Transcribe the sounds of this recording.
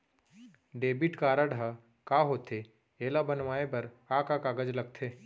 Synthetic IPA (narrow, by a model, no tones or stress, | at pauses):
ɖeːbɪʈkaːɾaɖʱa | kaːɦoːt̪ʰe | eːlabɐnʋaːepɐɾ | akakaɡəd͡ʒlɐɡ̚t̪ʰeː